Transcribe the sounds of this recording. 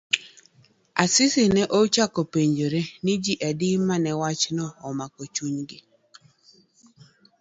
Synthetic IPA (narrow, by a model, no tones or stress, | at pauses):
asɪsɪnɛʔot͡ʃakopeɲd͡ʒoɾenɪd͡ʒiʔadɪmanɛwat͡ʃnɔːmakɔt͡ʃuɲɡɪ